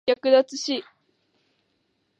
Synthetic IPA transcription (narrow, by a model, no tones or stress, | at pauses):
akɯ̟d̪at͡sɨɕi